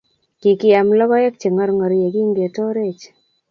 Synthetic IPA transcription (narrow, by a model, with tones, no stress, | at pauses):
ki˨kɪ˨ja˨mlɔ˦bɔ˦jɛ˦k̚t͡ʃe˨ŋɔ˦ɾŋɔ˨ɾje˨ɡi˦ŋɡe˨tɔ˦ɾe˦˨t͡ʃ